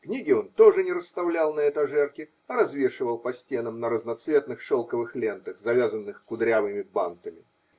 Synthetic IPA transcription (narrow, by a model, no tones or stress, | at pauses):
knʲiɡʲɪo̞nt̪o̞ʐɨnʲɪɾəst̪ɐvlʲalˠnɐɛt̪ɐʐɛrkʲɪ | ɐɾɐzvʲe̞ʂɨvəlˠpɐsʲtʲe̞nəmnəɾəznɐt̪svʲe̞t̪nɨxʂolˠkəvɨxlʲe̞nt̪əxzɐvʲazənːɨxkʊd̪ɾʲavɨmʲɪba̰nt̪əmʲɪ̰